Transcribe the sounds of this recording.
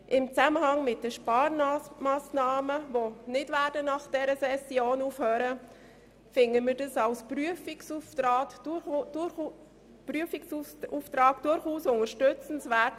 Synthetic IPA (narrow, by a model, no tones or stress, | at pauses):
ʔɪmt͡saməhɑŋmɪt̚dəʃpɑːɾnmaːsnɑːməvonɪtvæɾdənɑχd̥ɛɾəsɛsjoːnuːfhøːɾə | fɪŋəmɪːɾdɑsɑlspryəfɪksuftɑː | pryəfɪksuuftɾɑːkd̥ʊɾχuːsʊŋəɾʃtʏt͡sn̩svɛt